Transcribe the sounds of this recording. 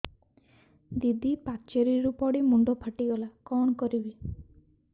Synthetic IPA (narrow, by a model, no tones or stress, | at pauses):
d̪id̪ipakt͡ʃeɾiɾupɔɽimuɳɖɔpʰaʈiɡɔlakɔɳ̃ɔkɔɾibi